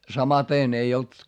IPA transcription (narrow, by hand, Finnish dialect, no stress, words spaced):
sɑmɑteˑn ei olt